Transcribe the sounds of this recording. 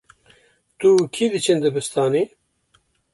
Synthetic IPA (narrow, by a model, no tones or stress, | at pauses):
t̪ukʰid̪ɨt͡ʃʰɨnd̪ɨbɨst̪ɑːni